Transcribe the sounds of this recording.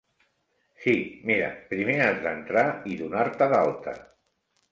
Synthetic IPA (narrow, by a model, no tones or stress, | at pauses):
simiɾə̰pɾimeazðənt̪ɾaiðunaɾt̪əðalˠt̪ə̰